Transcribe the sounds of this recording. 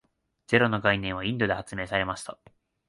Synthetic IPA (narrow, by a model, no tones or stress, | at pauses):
d͡ze̞ɾo̞no̞ɡainẽɰ̃β̞aĩnd̪o̞d̪e̞hat͡sɨme̞ːsaɾe̞maɕi̥t̪a